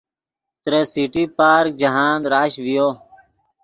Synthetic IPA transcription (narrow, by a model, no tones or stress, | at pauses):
t̪ɾeːsiːʈiːpaːɾk̚d͡ʒəɦaːnd̪ɾaːʃʋɪjoː